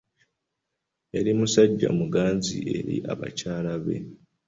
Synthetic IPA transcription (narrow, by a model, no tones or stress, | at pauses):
eɾimusaɟːa̰muɡaːnziʔe̞ɾḭʔaβa̰caːlaβe̞̰